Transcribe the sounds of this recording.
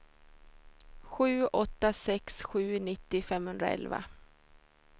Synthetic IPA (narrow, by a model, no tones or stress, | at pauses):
ɧʉ̟ːʔɔt̪ːasɛksɧʉ̟ːnɪt̪ːɪfɛmhɵnd̪ɾa̰ɛ̰lva̰